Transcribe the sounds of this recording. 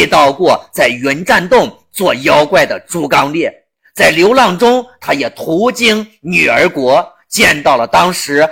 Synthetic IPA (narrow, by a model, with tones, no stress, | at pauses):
t̪ɑ˥˧ʊkwɔ˥˧t͡sa˥˩ɪɥɛ˧˥nʈ͡ʂa˥˧nt̪ʊ˥˩ŋ | t͡swɔ˥˩jɑ˥ʊkwa˥˩ɪd̪ə˩ʈ͡ʂu˥kɑ˥ŋljɛ˥˩ | t͡sa˥˩ɪljo˧˥ʊlɑ˥˩ŋʈ͡ʂʊ˥ŋt̪ʰa˥jɛ˨˩t̪ʰu˧˥t͡ɕi˥ŋny˨˩ə˞˧˥kwɔ˧˥ | t͡ɕjɛ˥˧nt̪ɑ˥˩ʊlə˩t̪ɑ˥ŋʂɻ̩˧˥